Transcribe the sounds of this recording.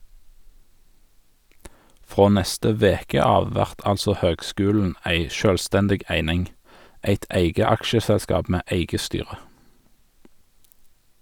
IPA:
ˈfʁoː ˈnɛstə ˈʋeːkə ˈɑːʋ ˈʋæʁt ˈɑlsɔ ˈhøːɡˌskʉːln̩ ˈæɪ ˈʃøːlˌstɛndɪɡ ˈæɪnɪŋ ˈæɪt ˈæɪɡə ˈɑkʃəsɛlˌskɑːp ˈmeː ˈeɪɡə ˈstyːʁə

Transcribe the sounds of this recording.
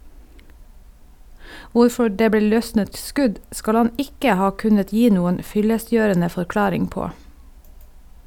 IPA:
ˈʋʊɾfɔ ˈɖeː ˈbleː ˈlœsnət ˈskʉɟ ˈskɑl ˈɑn ˈɪkə ˈhɑː ˈkʉnət ˈjiː ˈnuːən ˈfʏləˌsjøːɛɳə fɔɾˈklɑːɾɪŋ ˈpoː

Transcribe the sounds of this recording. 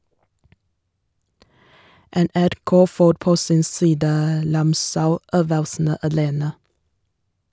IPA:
ɛnæɾˈkoː ˈfoːɾ ˈpoː ˈsɪn ˈsiːdə ˈɾɑmsaʊˌøːʋəlsn̩ə ɑˈleːnə

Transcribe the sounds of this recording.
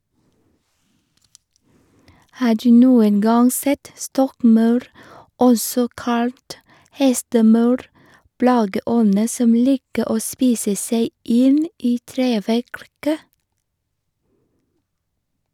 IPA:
ˈhɑː ˈɖʉː ˈnuːən ˈɡɑŋ ˈsɛt ˈstɔkˌmɑʉɾ ˈɔsɔ ˈkɑlt ˈhɛstəˌmɑʉɾ ˈplɑːɡəˌɔnə ˈsɔm ˈliːkə ˈoː ˈspiːsə ˈseɪ ˈɪn ˈiː ˈtɾeːʋækɾkə

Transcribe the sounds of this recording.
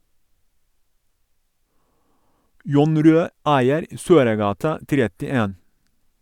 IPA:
ˈjʊn ˈɾøː ˈæɪəɾ ə ˈsøːɾəˌɡɑːtɑ ˈtɾɛtɪˌeːn

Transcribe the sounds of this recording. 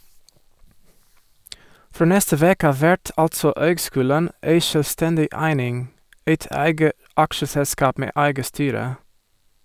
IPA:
ˈfɾoː ˈnɛstə ˈʋeːkə ˈɑːʋ ˈʋæʈ ˈɑltsɔ ˈøːɡˌskʉːlən ˈʔeɪ ʃœlʋˈstɛndɪ ˈæɪnɪŋ ˈeɪt ˈæɪɡə ˈʔɑkʃəsɛˌskɑːp ˈmeː ˈæɪɡə ˈstyːɾə

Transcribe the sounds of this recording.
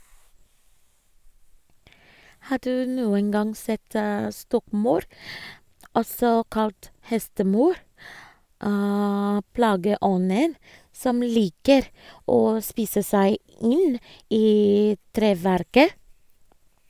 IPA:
ˈhɑː ˈdʉː ˈnuːən ˈɡɑŋ ˈsɛt ə ˈstɔkˌmɑʉɾ ˈʔɔsɔ ˈkɑlt ˈhɛstəˌmɑʉɾ ə ˈplɑːɡəˌʔɔnən ˈsɔm ˈliːkəɾ ˈoː ˈspiːsə ˈsæɪ ˈɪn ˈʔiː ˈtɾeːˌʋæɾkə

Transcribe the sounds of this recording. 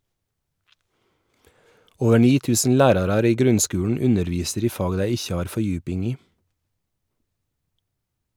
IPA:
ˈoːʋə ˈɳiː ˈtʉːsn̩ ˈlæːɾɑɾɑɾ ˈiː ˈɡɾʉnˌskʉːɳ̩ ˈʉnəɾˌʋiːsəɾ ˈiː ˈfɑːɡ ˈdæɪ ˈɪçə ˈɑːɾ fɔˈjʉːpɪŋ ˈiː

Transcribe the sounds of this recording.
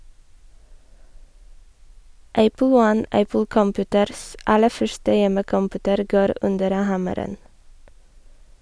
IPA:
ˈʔæpl̩ ˈwɔn ˈʔæpl̩ kɔmˈpʉːtəɾs ˈɑlə ˈfœʃtə ˈjɛməkɔmˌpʉːtəɾ ˈɡoːɾ ˈʔʉndəɾ ə ˈhɑməɾən

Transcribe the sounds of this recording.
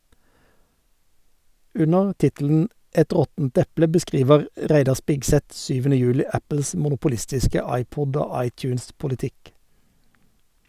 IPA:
ˈʉnəʁ ˈtɪtl̩n̩ ˈʔɛt ˈʁɔtn̩t ˈɛplə bəˈskʁiːʋəʁ ˈʁæɪdɑ ˈspɪɡˌsɛt ˈsyːʋənə ˈjʉːlɪ ˈæpəls mʊnʊpʊˈlɪstɪskə ˈɑɪˌpɔd ˈoː ˈɑɪˌtjʉːnspʊlɪˌtɪk

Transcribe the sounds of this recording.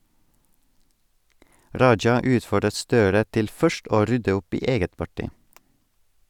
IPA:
ˈɾɑɪd͡ʒɑ ˈʉːtfɔɖət ˈstøːɾə ˈtɪl ˈfœʃt ˈʔoː ˈɾʏdə ˈʊp ˈiː ˈeːɡət pɑˈʈɪ

